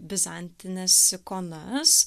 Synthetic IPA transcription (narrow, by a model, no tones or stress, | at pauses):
bʲɪzɑnʲt̪ʲɪnʲɛskonɐs